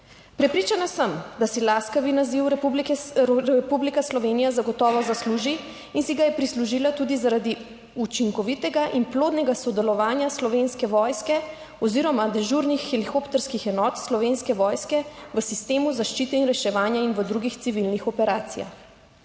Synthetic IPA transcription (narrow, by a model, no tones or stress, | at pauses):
pɾɛpɾiːt͡ʃanasəmd̪asɛlaskaʋinaziwɾblɾɛpublikaslɔʋeːnijazaɡɔt̪ɔːʋɔzasluʒi | insiɡajɛpɾisluʒilat̪ud̪izaɾad̪i | ut͡ʃiŋkɔʋit̪ɛɡaʔinploːd̪nɛɡasɔd̪ɛlɔʋaːnjaslɔʋenskɛʋɔjskɛ | ɔziɾɔmad̪ɛʒuɾnixːɛlixopt̪ɛɾskixɛnɔːt̪slɔʋenskɛʋɔːjskɛʋəsist̪eːmuzaʃt͡ʃit̪ɛinɾɛʃɛʋaːnjainʋəd̪ɾuɡixt̪siʋilnixɔpɛɾaːt̪sija̰x